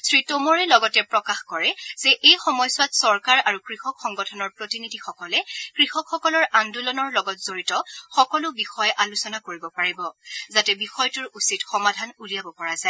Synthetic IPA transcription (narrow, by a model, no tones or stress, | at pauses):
sɹitomɔɹɛlɔɡɔtɛpɹɔkaxkɔɹɛz̥ɛʔejxɔmɔjsʊwatsɔɹkaɹaɹukɹixɔkxɔŋɡɔtʰɔnɔɹpɹotinidʱixɔkɔlɛkɹixɔkxɔkɔlɔɹandulɔnɔɹlɔɡɔtz̥oɹitɔxɔkɔlʊbixɔjʔalusɔnakoɹibɔpaɹibɔzatɛbixɔjtʊɹusitxɔmadʱanulijabɔpɔɹazaɛ